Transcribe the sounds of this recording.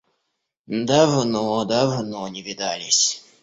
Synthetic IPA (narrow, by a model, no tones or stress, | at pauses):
nd̪avnod̪avnonʲɪvʲɪd̪alʲɪsʲ